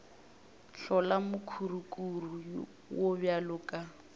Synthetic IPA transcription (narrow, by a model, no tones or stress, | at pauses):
ɬɔlamʊkʰurukʼuru | wobjalʊkʼa